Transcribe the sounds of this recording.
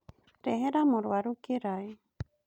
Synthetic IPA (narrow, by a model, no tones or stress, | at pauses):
ɾeɦeɾamoɾuaɾukeɾaj